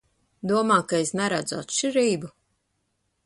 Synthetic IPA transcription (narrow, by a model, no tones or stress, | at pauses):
d̪uɔmaːkaesnɛɾad̪za̰t̪t͡ʃiɾiːbu